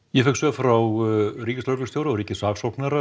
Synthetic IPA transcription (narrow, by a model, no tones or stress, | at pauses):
jɛfɛjksvɛːðafɾawriːcɪslœɾp̪lɪsjoːwɾaɔɾiːcɪsaːksɔwknaɾ